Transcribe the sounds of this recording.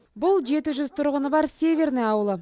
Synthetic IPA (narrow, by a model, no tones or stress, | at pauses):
bʊlˠʒe̞t̪ɪʒʏzt̪ʰʊɾʁənəbɑɾse̞vʲe̞rneŋɑwəlˠə